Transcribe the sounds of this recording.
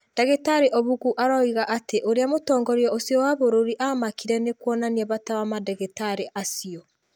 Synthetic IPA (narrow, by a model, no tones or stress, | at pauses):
d̥ɛɣetaɾeʔɔβuɣuʔaɾaiɣaʔateʔoɾeamotɔːŋɡɔɾeɔosiɔwaβoɾoɾiʔamakiɾɛnekwɔnaniaβataβamadɛɣetaɾeʔasiɔ